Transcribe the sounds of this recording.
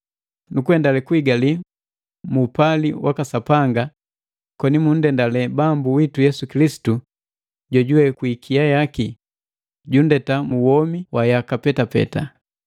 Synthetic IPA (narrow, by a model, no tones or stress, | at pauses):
nukuɛndalɛkuiɡali | muːpaliwʔakasapaŋɡa | kɔnimun̩dɛndalɛbambuwitujɛsukilisi̥tu | ɟɔɟuwɛkwikʰijajaki | ɟundɛtamuwɔmiwajakapɛtapɛ̰ta